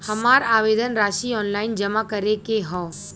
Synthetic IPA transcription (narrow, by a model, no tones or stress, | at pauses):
hɐmaːɾaːʋeːd̪ənɾaːʃiɔːnlaːɪnd͡ʒɐmakəɾekeɦɔ̃ː